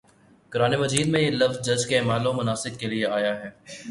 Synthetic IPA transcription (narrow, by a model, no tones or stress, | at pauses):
kʊɾaːnemɐd͡ʒiːd̪mẽjelɐfzd͡ʒɐd͡ʒkeːmaːlõmʊnaːsɪkkelieaːjaɦɛː